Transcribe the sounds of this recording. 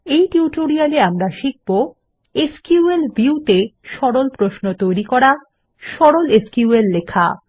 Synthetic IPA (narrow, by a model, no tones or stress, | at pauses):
ejʈiuʈoɾialeamɾaʃik̚bo | eskuuelbʱiut̪eʃɔɾolpɾoʃnot̪ojɾikɔɾa | ʃɔɾoleskiuelːekʰa̰